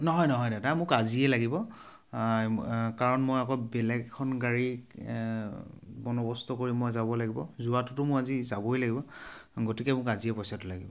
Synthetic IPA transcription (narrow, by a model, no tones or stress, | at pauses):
nɔɦɔjnɔɦɔjdatamʊkaziɛlaɡibɔ | kaɹɔnmojakɔbɛlɛɡkʰːɔnɡaɹi | bɔnɔbɔstɔkoɹimːɔjzabɔlaɡibɔzuatʊtʊmʊɹazizabɔjlaɡibɔɡotikɛmʊkaziɛpɔjsatʊlaɡibɔ